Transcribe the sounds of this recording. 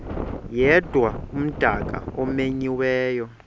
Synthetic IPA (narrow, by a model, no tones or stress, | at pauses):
jɛd̥ʱwaum̩d̥ʱak̬ʼa̰ɔmeɲiwɛːjɔ